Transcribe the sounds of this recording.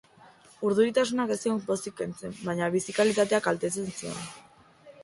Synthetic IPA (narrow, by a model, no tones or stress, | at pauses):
uɾð̞uɾit̪as̬unakest̪iompo̞sikːe̞nt͡se̞mbaɲaβisikalit̪at̪e̞akalt̪e̞t͡se̞nsio̞̰n